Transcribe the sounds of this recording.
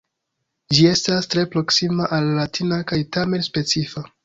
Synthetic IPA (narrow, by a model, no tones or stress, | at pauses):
d͡ʒie̞stastɾe̞pɾo̞ksimaʔalːatʰinakajtame̞nspe̞t͡sifa